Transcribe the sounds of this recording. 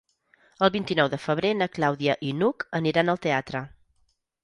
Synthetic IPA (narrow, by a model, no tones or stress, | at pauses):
əlˠβint̪inɔwðəfəβ̞ɾenəklawðiəʔinukəniɾanəlˠt̪eat̪ɾə